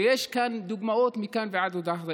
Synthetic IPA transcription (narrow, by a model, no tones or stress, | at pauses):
ʔeːʃkaːnd̪ʊɡmaʔoːt̪miːkaːnfiʕad̪wd̪aːxðˤ